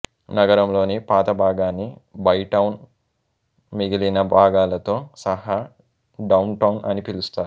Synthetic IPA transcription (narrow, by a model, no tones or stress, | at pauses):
nɐɡɐɾɐmlo̞ːnipaːt̪ɐbʱaːɡaːnːibɐjʈɐwn | miɡilinɐbʱaːɡaːlɐt̪o̞ːsɐɦaː | ɖɐwnʈɐwnʔɐ̰nipilust̪aːɾ